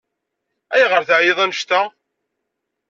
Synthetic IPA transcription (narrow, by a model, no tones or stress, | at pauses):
æjʁəɾθʕjeðˤænəʃt̪æ